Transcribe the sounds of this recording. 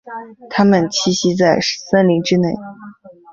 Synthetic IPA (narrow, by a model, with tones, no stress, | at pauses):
t̪ʰa˥mə˨nt͡ɕʰi˥˩ɕi˥t͡sa˥˩ɪʂsa˥nli˧˥ŋʈ͡ʂɻ̩˥ne˥˩ɪ